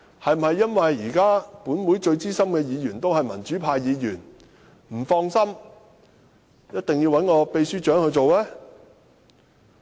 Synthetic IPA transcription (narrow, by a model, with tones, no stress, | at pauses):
hɐ˨jm̩˩hɐ˨jːɐ˥nwɐ˨jiː˨˩kaː˥puː˨˥nmuː˨˥jt͡ʃɵ˧ɥt͡siː˥sɐ˥mkɛː˧jiː˨˧jyː˨˩nt̪o˥whɐ˨jmɐ̰˨˩nt͡ʃyː˨˥pʰaː˧jjiː˨˧jy̰ː˨˩n | m̩˨˩fɔː˧ŋsɐ˥m | jɐ˥t̚t̪ɪ˨ŋji˧wɐ˨˥nŋɔː˨˧pe˨˧jsyː˥t͡ʃœː˨˥ŋhɵ˧ɥt͡so˨wlɛː˥